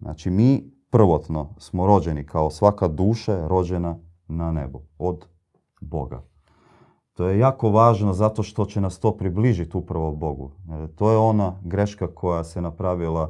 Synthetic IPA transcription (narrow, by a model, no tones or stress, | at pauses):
na̰t͡ʃimiːpr̩ʋo̞t̪no̞smoɾo̞d͡ʑenikʰaosʋakad̪uːʃaɾo̞d͡ʑena | nanḛbuod̪ | bo̞̰ɡa̰ | t̪ojejaːko̞ʋaːʒnozat̪o̞ʃt̪o̞t͡ɕenast̪o̞ːpɾibliʒit̪upɾaʋobo̞ɡṵt̪oːjeo̞naɡɾe̞ʃkakʰo̞jasenapɾaʋila